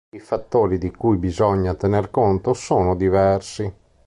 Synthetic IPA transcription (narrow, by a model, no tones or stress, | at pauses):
ifat̪ːoːɾid̪ikujbizɔɲːat̪enerkont̪osoːnod̪ivɛrsi